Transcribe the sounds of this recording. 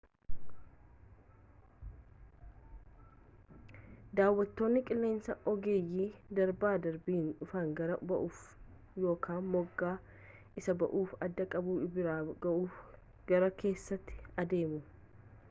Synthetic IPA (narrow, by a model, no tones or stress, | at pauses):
d̪aːwːɐt̪ːo̞ːnːɪkʼɪlːe̞ːnsɐʔɔɡe̞ːjːiːd̪ɐɾbaːd̪ɐɾbiːnᶑʊfaːŋɡɐɾɐbɐʔuːf | jo̞ːkʰaːnmɔɡːaː | ʔɪsɐbɐʔuːfɐd̪ːɐkʼɐbuːbɪɾaːʔuːf | ɡ̥ɐɾɐkʰe̞ːsːɐt̪ːɪ̥ɐd̪e̞ːmʊ